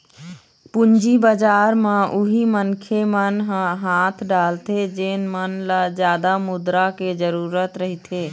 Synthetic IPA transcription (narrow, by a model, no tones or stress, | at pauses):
pund͡ʒibəd͡ʒaɾmeʔuɦimənkʰemənɦɦat̪ʰɖalt̪ed͡ʒeːnmənlad͡ʒjad̪amud̪ɾaked͡ʒəɾuːɾət̪ɾəɦit̪ʰe